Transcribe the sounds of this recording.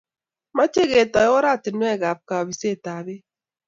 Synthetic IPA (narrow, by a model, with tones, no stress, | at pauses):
ma˦t͡ʃe˦ɣe˨tɔ˨jɔ˦ɾa˦˨tɪ˨nwɛ˦˨ɡa˨p̚ka˨ɔ˨bi˨se˦˨ta˨bɪ˦